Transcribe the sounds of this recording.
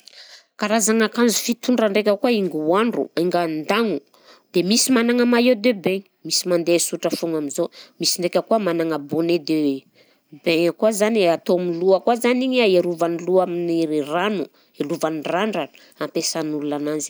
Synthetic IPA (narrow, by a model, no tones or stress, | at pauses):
kaɾazaŋakanzufit̪uɳɖ͡ʐəɳɖ͡ʐekʲəkuaiŋɡuaɳɖ͡ʐṵaŋɡand̪aŋu | d̪̥emisimanaŋəmajed̪ebeɲimisimand̪esuʈ͡ʂəfuŋaminzomisiɳɖ͡ʐekʲəkuəmanaŋəboned̪e | beɲakuazanat̪oamiluəkuazaniɲaeɾuvaniluaminiiranu | eluvaniraɳɖ͡ʐa | ampesanululananzi̥